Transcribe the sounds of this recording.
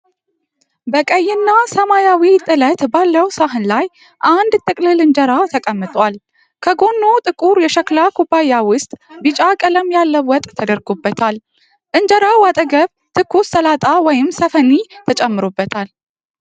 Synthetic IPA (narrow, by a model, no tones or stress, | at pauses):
bəkʼəjːɪnːasəmajawit̪ʼɨlət̪balːəwsaɦɨnlaj | ʔand̪t̪ʼɨkʼlɨlɨnd͡ʒəɾat̪ʰəkʼəmːɨt̪ʼwal | kʰəɡo̞nːot̪ʼɨkʼuɾjɛʃəklakʰubajːawʊst̪ʼbɨt͡ʃʼakʼələmjalːəwɔt̪ʼːʰəd̪əɾɡobːət̪ʰal | ʔɨnd͡ʒəɾawat̪ʼəɡəβ | t̪ʰɨkʰːust̪əlat̪ʼawɔjɪmsəfənit̪ʰət͡ʃʼɛmːɨɾobːət̪ʰal